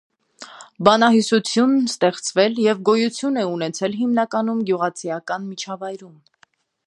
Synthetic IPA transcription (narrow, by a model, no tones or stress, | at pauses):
bɑnɑɦisut͡sʰjunst̪ɛχt͡svɛljɛvɡɔjut͡sʰjunɛunɛt͡sʰɛlɦimnɑkɑnumɡjuʁɑt͡sʰijɑkɑnmit͡ʃʰɑvɑjɾum